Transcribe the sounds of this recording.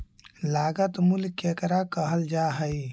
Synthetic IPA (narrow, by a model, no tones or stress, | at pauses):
laɡət̪mulkekɾakəɦəld͡ʒaɦəj